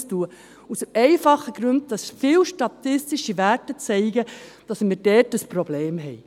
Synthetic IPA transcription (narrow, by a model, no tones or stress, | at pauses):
stuə | usɛɪfɑχːəɡ̥ɾʉnd̚d̥ɑsfɪːwʃtɑtɪstɪʃivæɾtət͡sɛɪɡəd̥ɑsmɪɾdɛːtəspɾɔbleːmɦɛɪ